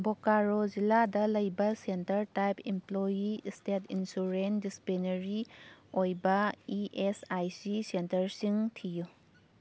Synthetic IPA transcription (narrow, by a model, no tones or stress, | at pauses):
bokaɾoziladɐlɐjbɐsentɐɾtajpʰimplojistetʰinsuɾendisi̥penɐɾiojbɐiʔesajsisentɐɾsiŋtʰiju